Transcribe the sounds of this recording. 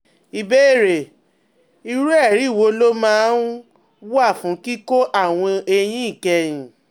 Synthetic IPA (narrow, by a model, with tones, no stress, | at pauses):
i˨be˦i˦˨ɾe˨ | i˧ɾu˦ɛ˦˨ɾi˨˦˨wo˨˦lo˦mãː˦ | wa˦˨fũ˨˦ki˦ko˦ʔa˦˨w̃ɔ̃˧e˧j̃ĩ˦i˦˨kɛ˧jĩ˨